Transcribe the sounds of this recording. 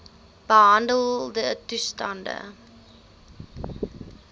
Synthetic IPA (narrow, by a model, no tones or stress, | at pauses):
b̥əɦɐndəlˠdətustɐndə̰